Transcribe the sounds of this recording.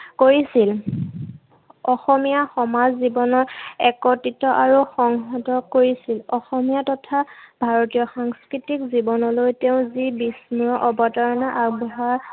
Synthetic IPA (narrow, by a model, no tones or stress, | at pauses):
koɹisil | ɔxɔmijaxɔmazzibɔnɔɛkɔtitɔʔaɹuxɔŋɦɔtɔkoɹisilɔxɔmijatɔtʰab̥ʱaɹotijɔxaŋskɹitikzibɔnɔlojteʊ̃zibismuɹɔʔɔbɔtɔɹɔnaʔaɹbɔɦaɹ